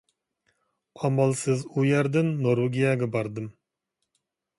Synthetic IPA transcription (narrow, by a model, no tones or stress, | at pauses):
ɑmɑlˠsɨzujɛɾd̪ɪnːoɾuɡʲijɛɡʲɛbɑɾd̪ɨm